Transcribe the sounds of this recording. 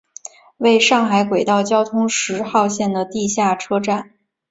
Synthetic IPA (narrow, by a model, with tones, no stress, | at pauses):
we˥˧ɪʂɑ˥˩ŋxa˧˥ɪkwe˨˩ɪt̪ɑ˥˩ʊt͡ɕjɑ˥ʊt̪ʰʊ˥ŋʂɻ̩˧˥xɑ˥˧ʊɕjɛ˥˩nd̪ə˩t̪i˥˧ɕja˥˩ʈ͡ʂʰɤ˥ʈ͡ʂa˥˩n